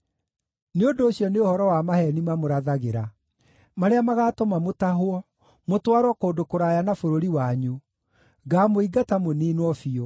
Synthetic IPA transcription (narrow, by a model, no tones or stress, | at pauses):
neondoːɕjɔneohɔɾɔwamahɛnimamoɾaðaɣeɾa | maɾeamaɣaːtɔmamotaɦoɔ | motwaɾwɔkoːdokoɾajanafoɾoɾiwaɲu | ɡamoiɡatamoniːnwɔfiɔ